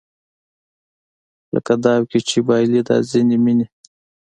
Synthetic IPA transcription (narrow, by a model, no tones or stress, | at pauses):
lə̰kad̪ɑwkit͡ʃibɑjlid̪ɑ̰zinimini